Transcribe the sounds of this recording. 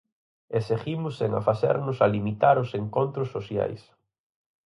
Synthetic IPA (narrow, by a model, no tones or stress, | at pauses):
eseximʊseŋa̰faθɛ̰ɾnʊsalimit̪aɾʊseŋkont̪ɾʊsːosja̰js